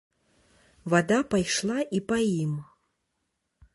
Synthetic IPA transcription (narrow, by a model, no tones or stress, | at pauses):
vad̪apajʂlˠaʔipaim